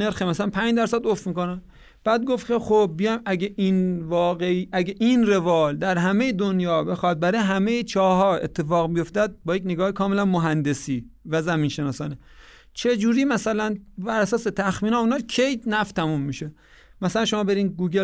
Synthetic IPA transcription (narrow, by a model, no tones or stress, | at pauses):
ne̞ɾxemæsælænpʰænd͡ʒd̪æɾsæd̪ofmiːko̞næn | b̥æːd̪̚ɡofkʲʰe̞xob̚ːijɒjmʔæɡʲeʔinvɒːɣeiːʔæɡeʔinre̞vɒːld̪æɾɦæme̞jed̪onjɒːbe̞xɒːd̪̚bæɾɒːjeɦæmejet͡ʃʰɒːɦɒːḛt̪ʰːe̞fɒːɣbijo̞ft̪æd̪̚bɒːjek̬ʲneɡɒːhekʰɒːme̞lænmoɦænd̪e̞siːvæzæmiːnʃe̞nɒːsɒːne | t͡ʃʰe̞d͡ʒuːɾiːmæsælænbæɾæsɒːset̪ʰæxmiːnɒːunɒːcʰejt̪næft̪ʰæmumːiʃe | mæsælænʃo̞mɒːbe̞ɾiːnɡuːɡe